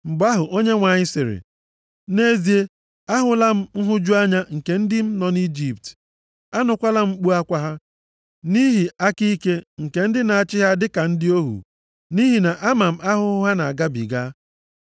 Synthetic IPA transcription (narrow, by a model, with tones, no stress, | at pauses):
ŋ͡m̩˨ɡ͡ba˦ɦʊ˨ʔo˦ɲe˦ŋʷa˨ɲɪ˦sɪ˨ɾɪ̰˨ | ne˦zi˨e˦ | a˦ɦʊ˨la˦m̩˦n̩˦ɦʊ˦d͡ʒu˦a˦ɲa˦ŋ̩˨ke˨n̩˦dɪ˦m̩˦nɔ˨ni˦d͡ʒi˨p̚t | a˦nʊ˨kʷa˦la˦m̩˦k͡pu˦a˦kʷa˦ɦa˦ | ni˦ɦi˨a˦ki˦ke˦ŋ̩˨ke˨n̩˦dɪ˦na˨a˨t͡ʃɪ˦ɦa˦dɪ˦ka˨n̩˦dɪ˦o˦ɦṵ˨ | ni˦ɦi˨na˨ʔa˦ma˨m̩˦ʔa˦ɦʊ˦ɦʊ˦ɦa˦na˨a˨ɡa˦bḭ˨ɡa˦